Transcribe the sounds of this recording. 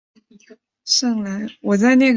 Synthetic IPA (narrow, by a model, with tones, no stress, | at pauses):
ʂɤ˥˩ŋla˧˥ɪwɔ˨˩t͡sa˥˧ɪna˥˩ɡ